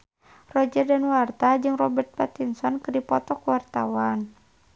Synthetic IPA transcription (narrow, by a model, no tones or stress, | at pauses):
rɔd͡ʒərdanwart̪ad͡ʒɨŋrɔbɛrt̪̚pat̪insɔnkɨdipɔt̪ɔkuwart̪awan